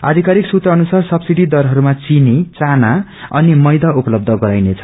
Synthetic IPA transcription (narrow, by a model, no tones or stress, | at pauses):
a̰d̪ʱikaɾiksut̪rʌːnusarsʌbsiɽid̪ʌrɦʌɾumat͡sinit͡sanaʌ̰nimʌjd̪aupʌlʌb̚d̪ʱʌɡʌɾajnet͡sʰʌ̥